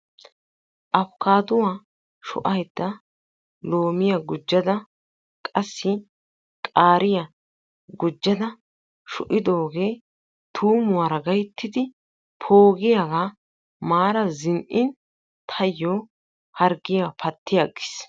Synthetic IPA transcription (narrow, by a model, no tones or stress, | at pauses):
ʔɐfkaːd̪ʊwaː | ʃʊ̰ʔɐjd̪̥ːɐ | lo̞ːmɪjɐɡʊd͡ʒːɐd̪ɐ | kʼɐsːɪ | kʼaːɾɪjɐ | ɡʊd͡ʒːɐd̪ɐ | ʃʊʔɪd̪o̞ːɡeː | t̪ʰuːmʊwaɾɐɡɐjt̪ːɪd̪ɪ | pʰoːɡɪjaɡa | maːɾɐzɪnʔɪn | t̪ʰɐjːoː | hɐɾɡɪjapʰɐt̪ːɪjaɡɪs